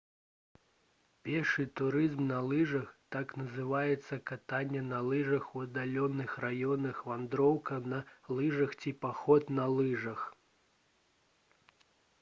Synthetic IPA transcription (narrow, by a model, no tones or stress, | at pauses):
pʲɛrʂɨt̪uɾɨzmnɐlˠɨʐɐxt̪aknɐzɨvajɛt̪sːɐkat̪anʲːɛnɐlˠɨʐɐxuɐd̪alʲɔnɨxrajɔnɨxvand̪ɾɔwkɐnɐlˠɨʐɐxt͡sʲipaxɔt̪nɐlˠɨʐɐx